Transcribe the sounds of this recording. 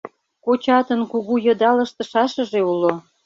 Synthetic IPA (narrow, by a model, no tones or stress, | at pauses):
kot͡ɕɑt̪ənkuɣujɤ̆d̪ɑlə̆ʃt̪ə̆ʃɑʃə̆ʒeulo